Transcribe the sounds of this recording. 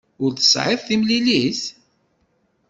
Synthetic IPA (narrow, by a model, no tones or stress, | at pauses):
ʊɾθə̥sʕɪðˤθimliliθ